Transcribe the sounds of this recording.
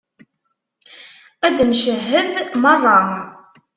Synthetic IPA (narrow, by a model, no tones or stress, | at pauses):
æd̪mʃəɦːəðmərˤːɑ